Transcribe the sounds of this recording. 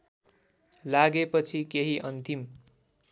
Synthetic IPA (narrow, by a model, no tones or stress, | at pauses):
laɡepʌt͡sʰikeɦiʔʌnt̪im